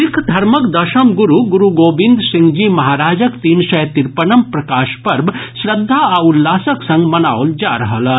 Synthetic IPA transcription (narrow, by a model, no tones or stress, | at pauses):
ɪkʰd̪ʱɐɾmɐkd̪ɐʃɐmɡuɾuɡuɾuɡoːbĩnd̪sɪ̃ŋɡd͡ʒimɐɦaːɾaːd͡ʒəkt̪iːnsɐjt̪iɾpɐnɐmpɾɐkaːʃpɐɾbʃɾɐd̪ʱːaaulːaːsɐksɐ̃ŋɡmɐnaːwld͡ʒaːɾɐɦɐla